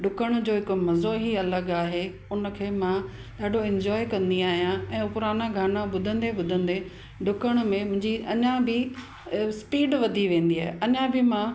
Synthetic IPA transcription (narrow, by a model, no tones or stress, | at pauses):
ɖʊkəɽ̃ʊd͡ʑoːɦɪkmɐzoɦiɐləɡaːɦe | ʊnə̆kʰeːmã | ɗaːɖʱoɪ̃ɲd͡ʑɔːekɐ̃nd̪iaːɦijãɛ̃ːʊpʊɾaːnaɡʱaːnãɓʊd̪ʱə̃nd̪eɓʊd̪ʱə̃nd̪e | ɖʊkəɽ̃mẽmʊ̃ɦɪ̃ɲd͡ʑiɐɲãbɪ | spiːɖʋɐd̪ʱiʋẽːn̆d̪iaːɦeɐɲãbɪmã